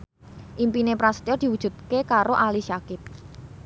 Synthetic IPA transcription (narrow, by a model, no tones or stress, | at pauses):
ʔimpinepɾast̪iɔrd̪̥i̤wud̥ʒ̥ṳt̪̚kekaɾoʔaliʃakɪt̪̚